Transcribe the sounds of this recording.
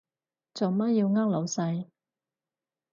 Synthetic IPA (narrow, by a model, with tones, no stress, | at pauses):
t͡so˨˩wmɐ˥t̚ji˧wŋaː˥k̚lo˨˥wsɐ˧j